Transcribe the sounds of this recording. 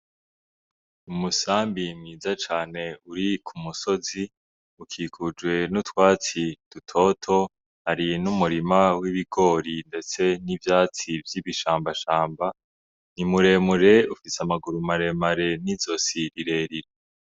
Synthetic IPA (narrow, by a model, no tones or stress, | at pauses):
umusaːmbimŋiːzat͡ʃaːne̞uɾikʰumuso̞zi | ukʰiːkʰud͡ʒɡwe̞nutwaːt͡sid̥utʰo̞ːtʰo̞ | haɾinumuɾimawiβiɡo̞ːɾinde̞t͡se̞nivjaːt͡sivjiːβiʃaːmbaʃaːmba | nimuɾe̞ːmuɾe̞ufisamaɡuɾumaɾe̞maɾe̞nizo̞siɾiɾe̞ːɾiɾe